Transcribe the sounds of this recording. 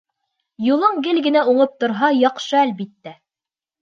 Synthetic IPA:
julˠɤɴɡɘlɡɘ̆næuɴɤp̚t̪ŏɾɦɑjɑqʃɤælbit̪ːæ

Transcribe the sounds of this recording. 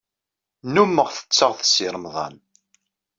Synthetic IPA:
numːəʁθə̥t͡sːəʁθə̥siɾˤəmðˤɑ̰n

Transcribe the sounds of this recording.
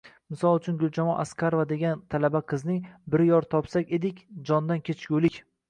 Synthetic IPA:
mɪsɒlˠʊt͡ʃʰʊnɡʊlˠt͡ʃʰamɒʔaskʰʲaɾvad̪e̞ɡʲant̪ʰalabaqʰɨznɪbɪɾjɒɾt̪ʰɒpsakʲed̪ɪkʲd͡ʒɒnd̪ankʲʰet͡ʃʰɡʲulɪkʲ

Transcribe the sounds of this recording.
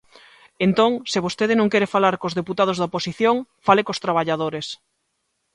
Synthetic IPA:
ent̪oŋsɪβ̞ost̪eð̞ɪnõŋkɛɾefalaɾkozðeput̪að̞ozðaoposiθjoŋfalekost̪ɾaβ̞aʎaðoɾes

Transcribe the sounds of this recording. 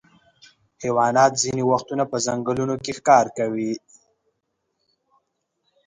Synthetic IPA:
hewɑnɑt̪ziniwaxt̪unapəzaŋɡəlunokexkɑɾkawi

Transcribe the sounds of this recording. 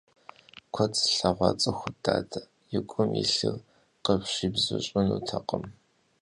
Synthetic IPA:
kʷʰɐt͡sʰʼɬɐʁʷɑt͡sʼɐxʷʊdaːdʰɐ | jɪkʷʼʊmḭɬɨr | qəpɕibzɨɕʼʊnuːtʰɐqəm

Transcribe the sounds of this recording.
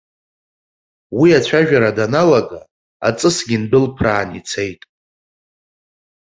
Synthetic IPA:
wiat͡ɕʷʰaʒᶣaɾadanalaɡa | a̰t͡sʼɨsɡʲinbʊlpʰraːnit͡sʰe̞jtʼ

